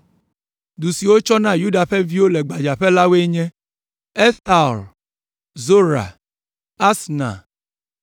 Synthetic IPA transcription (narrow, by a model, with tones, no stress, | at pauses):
du˨si˨wo˦t͡ʃɔ˦nã˦ju˦da˨ɸe˦vi˦wo˦lɛ˨ɡ͡ba˨d͡ʒa˨ɸɛ˦la˦we˦ɲɛ̃˦ | e˦st̪a˨l | zo˦ɾa̰˨ | a˦snã̰˨